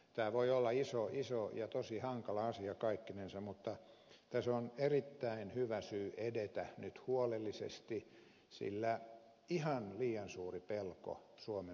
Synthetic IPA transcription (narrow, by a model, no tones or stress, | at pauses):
t̪æːʋoiolːɑisoisojɑt̪osihɑŋkɑlɑɑsiɑkɑikːinensɑmmut̪ːɑ | t̪æsonerit̪ːæinhyʋæsyːʔedet̪ænyt̪huolelːisḛst̪i | sḭlːæ | ihɑnliːɑnsuːripelko̰suome